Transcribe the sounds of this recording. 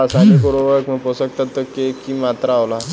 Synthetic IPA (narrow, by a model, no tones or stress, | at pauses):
əsanikoɽoʋəkməposək̚t̪at̪ːəkekimat̪ɾaːʋla